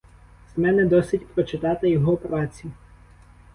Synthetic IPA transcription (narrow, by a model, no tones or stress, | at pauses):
z̥mɛnɛd̪ɔsɪtʲpɾɔt͡ʃɪt̪ɑt̪ɪjɔɦɔpɾɑt͡sʲi